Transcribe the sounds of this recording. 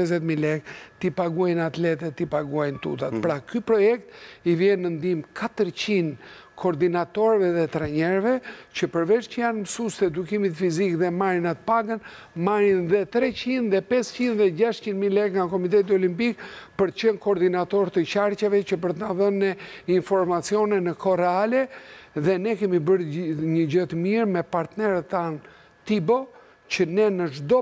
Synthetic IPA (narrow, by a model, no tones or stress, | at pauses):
ɛzɛt̪milɛkt̪ipaɡuajnat̪lɛt̪ɛt̪ːipaɡuajnt̪ut̪at̪pɾakypɾɔjɛkt̪ivjɛnːənd̪imkʰat̪əɾt͡ɕind̪ | kʰɔɾd̪inat̪ɔɾɛvɛðɛt̪ɾaɲɛɾvɛcəpəɾvɛʃcəjanməsust̪ɛd̪ukimit̪fizikðɛmaɾinat̪ə̥paɡənmaɾinðɛt̪ɾɛt͡ɕind̪ðɛpɛst͡ɕind̪ðɛɟaʃt͡ʃind̪milɛɡŋɡakɔmit̪̬ɛt̪̬iɔlimpikpəɾt̪ə̥t͡ʃənkɔːɾd̪inat̪ɔɾt̪ət͡ʃaɾcavɛt͡ɕəp̬əɾt̪naðənːɛinfɔɾmat͡siɔnɛnəkʰɔɾɛalɛðɛnɛkɛmibəɾɲəɟət̪əmiɾmɛpaɾt̪nɛɾət̪ːan | t̪ibɔ | cənɛnəʒd̪ɔ